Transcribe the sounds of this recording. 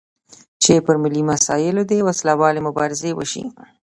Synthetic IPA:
t͡ʃepəɾmɪlimasɑjɪlod̪ewaslawɑlemʊbɑɾɪzewə̰ʃḭ

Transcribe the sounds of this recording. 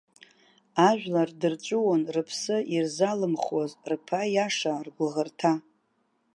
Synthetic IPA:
aʒᶣʷlardɨrt͡ʃʷʼʊwonrɨpʰsɨirzalɨmχozrpʰajaʂarɡʷlʁərtʰa

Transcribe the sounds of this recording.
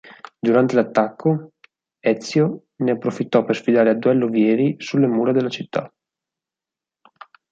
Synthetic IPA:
d̪uɾant̪elat̪ːakʰːo | ɛt̪sːjo | neapːɾofit̪ːɔpersfid̪aːɾead̪uɛlːovjɛːɾisulːemuːɾad̪elːat͡ʃit̪ːa̰

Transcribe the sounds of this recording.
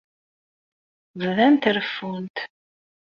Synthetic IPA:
vðænt̪ɾəfːunt̪

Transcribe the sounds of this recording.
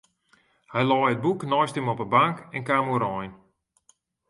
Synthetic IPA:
hɛjlɔjət̚buknɔjstɪmɔpəbaŋkɛnkaːmuɾɔjn

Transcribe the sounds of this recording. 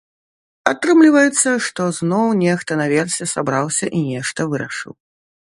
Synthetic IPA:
at̪ɾɨmlʲivɐjɛt̪sːɐʂt̪ɔznɔwnʲext̪ɐnavʲɛrsʲɛsabɾawsʲɐʔinʲɛʂt̪ɐvɨɾɐʂɨ̰w

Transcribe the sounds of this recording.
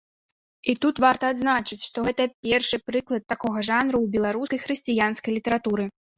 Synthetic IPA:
it̪ut̪vart̪ɐːd̪znat͡ʂɨt͡sʲʂt̪ɔɣɛt̪ɐpʲɛrʂɨpɾɨklˠɐt̪ːakɔɣɐʐanɾuwbʲɛlˠaɾuskɐjxɾɨsʲt͡sʲijanskɐjlʲit̪ɐɾat̪uɾɨ

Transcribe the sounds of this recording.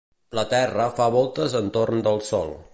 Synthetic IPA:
lət̪ɛrəfaβɔlˠt̪əzənt̪ornd̪əlˠsɔ̰lˠ

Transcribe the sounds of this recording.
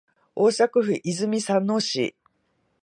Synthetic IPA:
oːɕakɯ̟ɸɯ̟ʔizɨmʲisãnːoːɕḭ

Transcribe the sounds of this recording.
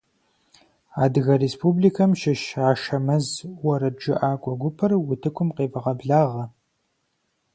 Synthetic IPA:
aːdɨɣɐreːspʰublikʰɐmʃɪʃaːʃɐmɐzwɔɾɐd͡ʒɪ̰ʔaːkʷʼɔɡʷʊpʰɐrwʊtʰɨkʷʰʊmqeːvɐʁɐbɮaːʁɐ

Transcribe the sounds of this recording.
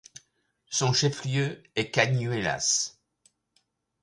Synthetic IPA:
sɔ̃ʃɛfljøɛkaɲyela̰s

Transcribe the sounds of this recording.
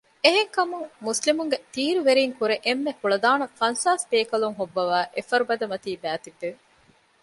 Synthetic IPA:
eɦeŋkɐmuŋmuslimuŋɡet̪iːɾuʋeɾiːŋkuɾeʔemːekuɭɐd̪aːnɐfɐnsaːspeːkɐluŋɦobːɐʋæːʔefɐɾubɐd̪ɐmɐt̪iːbæːt̪id̪ːeʋ

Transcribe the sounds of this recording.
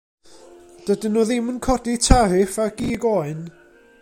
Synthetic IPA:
d̥ədənɔðɪmənkʰɔditʰarɪfaɡ̥iːɡɔːɨn

